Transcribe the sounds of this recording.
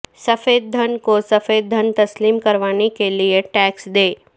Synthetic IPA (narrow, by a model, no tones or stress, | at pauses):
sɐfeːd̪̚ːʱɐnkosɐfeːd̪̚ːʱɐnt̪ɐsliːmkɐɾʋaːnekelieʈɛːksd̪eː